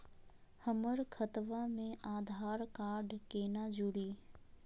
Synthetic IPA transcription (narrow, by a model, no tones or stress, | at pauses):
həməɾkʰət̪ʋamẽaːd̪ʱaːɾkaːɾɖkeːnad͡ʒʊɽiː